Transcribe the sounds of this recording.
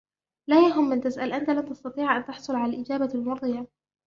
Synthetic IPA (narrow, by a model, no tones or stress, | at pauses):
laːjaɦʊmːɪnt̪asʔalʔant̪alamt̪ɑst̪ɑt̪ˤiːʕʔant̪ɑħsˤʊlʕalalʔɪd͡ʒaːbalmʊɑɾˤd̪ˤɨja